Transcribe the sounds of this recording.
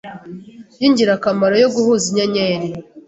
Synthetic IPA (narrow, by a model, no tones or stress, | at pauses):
jiɲɟiɾakamaɾo̞jo̞ɡuhuziɲaɲeːɾi